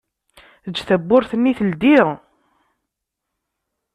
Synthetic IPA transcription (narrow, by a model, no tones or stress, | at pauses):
ðəd͡ʒːθəbːʊɾθənːiθəld̪iʁ